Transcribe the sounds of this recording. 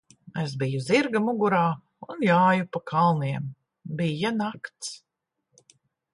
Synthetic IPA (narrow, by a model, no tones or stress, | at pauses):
es̬bijuziɾɡamuɡuɾaː | unjaːjupakʰalˠniɛm | bijanakt̪s